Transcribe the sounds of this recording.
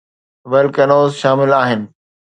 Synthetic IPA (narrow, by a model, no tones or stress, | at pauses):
ʋɛlkɐnoːzʃaːmɪlaːɦɪnɪ̆